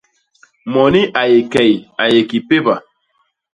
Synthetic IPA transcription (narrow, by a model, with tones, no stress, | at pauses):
mɔ˨ni˦ʔa˨je˨kɛ˨ja˨je˨ki˨pe˦ba˨